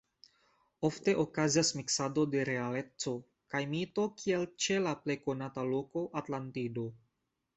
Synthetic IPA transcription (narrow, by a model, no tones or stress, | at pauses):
ofte̞ʔokaziasmiksado̞de̞ɾealet͡so̞ | kajmit̪o̞kʰielt͡ʃelaple̞jkonataloko̞ʔat̪lant̪ido̞